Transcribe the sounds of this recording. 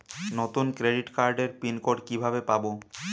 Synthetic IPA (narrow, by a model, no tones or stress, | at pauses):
nɔt̪unkɾeɖiʈkaɾɖeɾpinkoɖkibʱabepabo